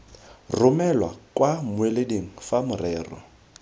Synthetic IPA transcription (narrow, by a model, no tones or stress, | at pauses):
rʊmɛlwa̰kwamʊelediŋ̩famʊrɛːrɔ̰